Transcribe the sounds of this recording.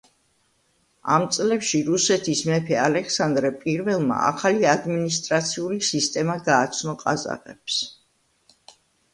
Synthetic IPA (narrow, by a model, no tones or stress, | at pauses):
a̰mt̪sʼlɛpʃiɾusɛt̪ʰismɛpʰɛalɛksand̪ɾɛpʼiɾvɛlˠma̰a̰χaliad̪minist̪ʼɾat̪sʰiulisist̪ʼɛmaɡaːt̪sʰnɔqʼaza̰ʁɛps